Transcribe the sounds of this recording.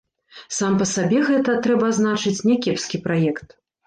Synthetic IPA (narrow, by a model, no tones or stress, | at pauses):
sampɐsabʲɛɣɛt̪ɐt̪ɾɛbɐːznat͡ʂɨt͡sʲnʲɛkʲɛpskʲipɾajɛkt̪̚